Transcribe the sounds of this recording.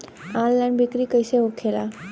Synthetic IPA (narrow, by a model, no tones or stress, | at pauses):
ãllajnbikɾikəjseɦokʰela